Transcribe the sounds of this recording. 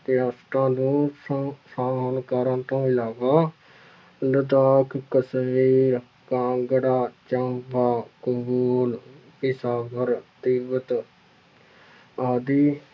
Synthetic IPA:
t̪jaːsʈɾãːnũː | saːmənkaːɾə̃nt̪õːɪlaːʋaː | ləd̪aːkkəsʋiːɾ | kãːɡəɽaːt͡ʃə̃mbaːkʊbuːl | pɪsaːʋəɾt̪iːbət̪ | aːd̪iː

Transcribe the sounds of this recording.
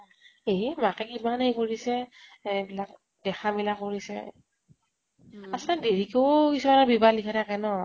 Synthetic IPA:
emakɛkimanejkoɹisɛbilak | dɛxʰabilakːoɹisɛ̰ | asadeɹikowkisuanabibalikʰatʰakɛnɔ

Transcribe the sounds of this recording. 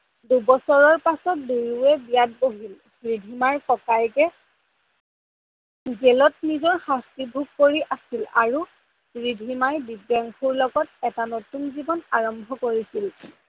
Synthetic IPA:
dubɔsɔɹɔɹpasɔt̚duɹuɛbijat̚boɦil | bɹidʱimaɹkɔkajkɛ | ɡɛlɔtnizɔɹxastibʱuɡ̚koɹiʔasila̰ɹu | ɹidʱimajbibjaŋxʰuɹlɔɡɔtɛtanotunzibɔnaɹɔmbʱɔkoɹisil

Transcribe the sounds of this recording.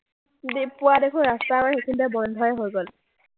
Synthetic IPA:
depʊadekʰunɹastamaɹxekʰindɛbɔndʱɔjɛɦojɡɔl

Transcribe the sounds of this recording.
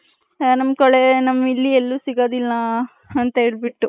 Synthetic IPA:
nɐmkɐɭenɐmːilːielːusiɡoːd̪ilːɐː | nt̪ɐeːɭbiʈːu

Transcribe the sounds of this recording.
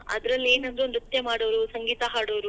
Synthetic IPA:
ɐ̰d̪ɾɐlːe̞ːnɐnd̪ɾuond̪ɾut̪jɐmaːɽoʋɾusɐŋɡiːt̪ɐɦaːɽoʋɾu

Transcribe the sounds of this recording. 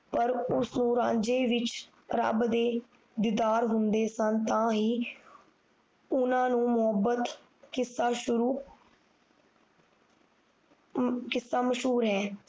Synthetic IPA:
pəɾʊsnũːɾãːd͡ʒeːʋɪt͡ʃ | ɾə̰bd̪eː | d̪ɪd̪aːɾɦʊnd̪eːsənt̪ãːɦiː | ʊnãːnũːmʊɦəbət̪ | kɪsːaːʃʊɾuː | kɪsːaːməʃɦuːɾɦɛː

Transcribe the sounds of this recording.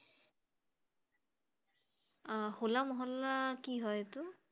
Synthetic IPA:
holamɔɦɔlːakiɦɔjtʊ

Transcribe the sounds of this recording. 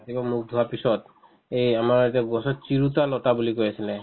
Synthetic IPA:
atibamuk̚d̪ʱuɦapisɔt | ejamaɹetiaɡɔsɔt̚t͡ʃiɹutalɔtabulikojasilɛ

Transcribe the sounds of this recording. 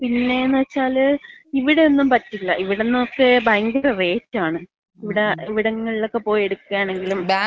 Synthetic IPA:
pinːe̞ːnːɨʋɐt͡ɕːaːliʋiɽeonːumpɐtːilːɐʔiʋiɽenːɨokːe̞bajŋɡuɾere̞ːt͡ɕːaːɳɨ | iʋiɽeiʋiɽɐŋːɐɭiɭokːe̞po̞ːjeɽukːuɣaːɳe̞ŋɡilumb

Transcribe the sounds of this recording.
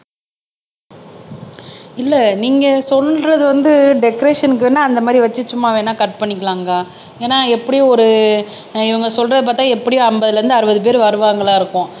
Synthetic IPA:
ɪlːɛniːŋɡɐsɔlɾɐðɯʋɐnd̪ɯɖɛkɾeːʂɐnɪk̬ːɯenːaːɐnd̪ɐmaːd̪ɾiʋɐt͡ʃːɯsʊmːaːʋeːnaːkɐʈ̚pɐɳːɪkʲːɐɭaːŋɡɐ | eːnaːɛpːɐɽɪjõɔɾɯ | ɪʋɐŋɡɐsɔlɾɐðɯp̬aːɾt̪ãːɛpːɐɽɪjõɐmbɐðɯlɐɾɯnd̪ɯɐɾɯbɐðɯp̬eːɾʋɐɾɯʋaːŋɡɐɭaːɪɾɯkːʊ̃

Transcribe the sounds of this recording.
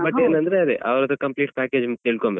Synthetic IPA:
bɐeːnɐnd̪ɐɾeɐd̪eʔɐʋɐɾɐd̪ɐkɐmpliːʈ̚pæːkeːd͡ʒmɐt̪t̪eːɭkombe

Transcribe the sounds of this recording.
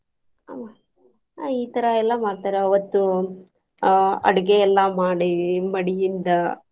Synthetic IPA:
aːma | iːt̪ɐɾɐɛlːɐmaːɽt̪aːɾɐɐʋɐt̪ːu | ɐ̰ɽiɡejɛlːamaːɽimɐɽijind̪ɐ

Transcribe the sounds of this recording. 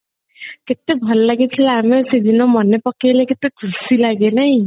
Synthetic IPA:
ket̪ebʱʌllaɡet̪ʰilamesed̪ʱinomʌnːepʌkːeleket̪ːeɡʰʱusilaɡenʌj

